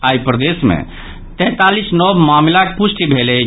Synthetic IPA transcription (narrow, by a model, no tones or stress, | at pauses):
ajpɾəd̪esmḛ | t̪ɛ̃t̪alisnɔbmamlakepusʈibʱelɛ